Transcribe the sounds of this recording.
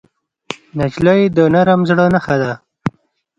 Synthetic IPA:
nad͡ʒləjd̪ənaɾamzɽənaxad̪a

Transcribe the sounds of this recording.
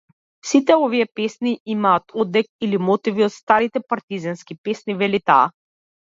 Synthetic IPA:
sit̪ɛɔviɛpɛsniʔimaːt̪ɔd̪ɛkilimɔt̪iviɔt̪st̪aɾit̪ɛpaɾt̪izɛnskipɛsnivɛlit̪a̰ː

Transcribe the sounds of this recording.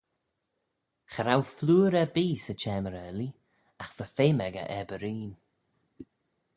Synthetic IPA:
xəɾawfluːɾəbiːsət͡ʃɛːməɾəli | axvəfeːmɛɡə̰ʔɛbəɾiːn

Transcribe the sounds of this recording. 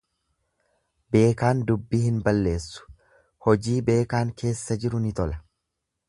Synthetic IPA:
be̞ːkaːnd̪ʊbːiːhɪnbɐlːe̞ːsːʊ̥ | hɔd͡ʒiːbe̞ːkaːŋke̞ːsːɐd͡ʒɪɾʊnɪt̪ɔlɐ

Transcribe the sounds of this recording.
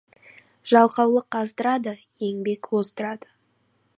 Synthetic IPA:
ʒ̥ɑlˠqɑwlˠəqɑzd̪əɾɑd̪ə | je̞ŋbe̞kwozd̪əɾɑd̪ə

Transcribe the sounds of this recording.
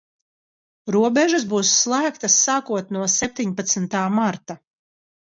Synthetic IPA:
ɾuɔbɛʒasbuːsːlˠæːkt̪asːaːkuɔt̪nuɔsɛp̚ʲt̪iɲpat̪snt̪aːmaɾt̪a

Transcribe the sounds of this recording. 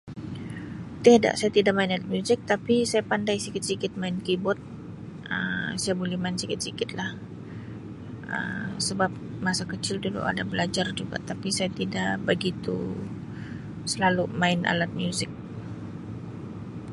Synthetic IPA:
t̪iada̰ʔsajat̪idaʔ̚maɪnalat̪̚mjuzɪk̚t̪apisajapandajsikɪt̪̚sikɪt̪̚maɪnkibɔt̪̚ | ʔəmsajabolɛhmaɪnsikɪt̪̚sikɪt̪̚lah | ə̰msəbap̚masakət͡ʃɪldulṵʔa̰dabəlad͡ʒard͡ʒuɡa̰t̪apisajat̪idaʔbəɡit̪ṵ | səlalumaɪna̰lat̪̚mjuzɪk̚

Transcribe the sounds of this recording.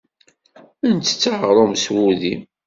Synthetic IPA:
ənt͡s̪ːə̥t͡sːaʁɾˤomswuðim

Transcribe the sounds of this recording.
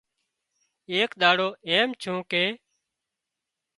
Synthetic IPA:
eːkɗ̪aːɽoːeːmt͡ʃʰũːkeː

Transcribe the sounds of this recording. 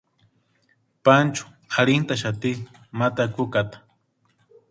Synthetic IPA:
pant͡ʃʊ̥ | haɾint̪aʃat̪i | mat̪akukat̪ḁ

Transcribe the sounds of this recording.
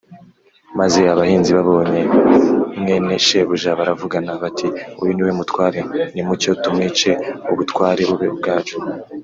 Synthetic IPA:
maze̞aβahiːnziβaβo̞ːɲe̞ | mŋe̞ne̞ʃeβuʒaβaɾavuɡanaβatiṵjiniwemutkwaːɾenimuco̞tumŋiːt͡ʃe̞uβutwaːɾeβuβe̞ub̚ɡaːd͡ʒu

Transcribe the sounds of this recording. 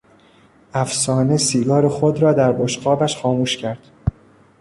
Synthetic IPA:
ʔæfsɒːne̞siːɡɒːɾexod̪ɾɒːd̪æɾboʃɢɒːbæʃxɒːmuːʃcʰæɾd̪̥

